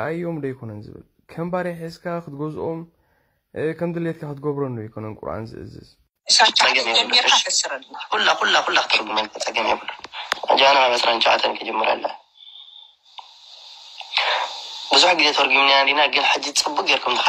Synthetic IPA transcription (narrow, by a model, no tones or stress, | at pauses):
ʔajomd̪ɐjkʰo̞nɐnzɨ̰βɨ̰l | kʰɐmbaɾeħɨzkʰakɨt̪ɡozʔom | kʰɐmd̪ɨlet̪kʰakɨt̪ʰɡoβɾɐnːojɪkʰo̞nɐnkʼʊ̰ɾʔa̰nzɨ̰ʔɨ̰zɨ̰z | at͡sʼɐɡɐmeɐsɾɐkulːaxulːaxulːakɨ̥t̪ʰɐɾɡumɐnkʰɐt͡sʼɐɡɐmebulːuad͡ʒɐanamaβɐsɾant͡ʃʼaʕa̰t̪ʰɐnkʰɐd͡ʒɐmːɨɾa̰lːɐ̰ | bɨzuħɡizet̪ʰɐwɔɾɡumnːijalinaɡɨnħɨd͡ʒit͡sʼɨbːukʼɡeɾkʰumt̪ɨxa